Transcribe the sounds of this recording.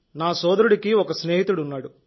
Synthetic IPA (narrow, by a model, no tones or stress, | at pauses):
naːsɔːd̪ɐɾuɽikiɔkɐsneːɦit̪uɽunːaːɽu